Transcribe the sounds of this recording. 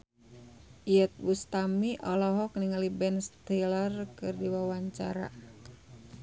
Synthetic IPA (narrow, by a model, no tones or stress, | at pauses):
ʔiət̪̚bust̪amiʔɔlɔɦɔk̚niŋalibɛnst̪ilərkɨrdiwawaɲt͡ʃa̰ɾa̰